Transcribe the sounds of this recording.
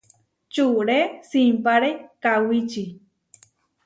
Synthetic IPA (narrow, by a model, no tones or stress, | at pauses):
t͡ʃuɾesimpaɾekawit͡ʃi